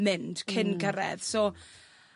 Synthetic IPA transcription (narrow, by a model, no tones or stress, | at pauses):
mɪnd̥kʰɪnɡəɾɛ̰ð̥sɔ